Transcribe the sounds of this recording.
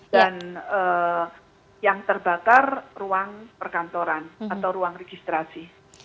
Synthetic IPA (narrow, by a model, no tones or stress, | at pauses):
d̥anəː | jaŋt̪ərbakarruaŋpərkant̪oɾanat̪awɾuaŋreɡ̥ist̪ɾasi